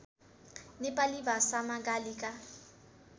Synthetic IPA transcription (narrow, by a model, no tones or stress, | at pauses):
nɪpʼalɪbasamakʼalɪkʼa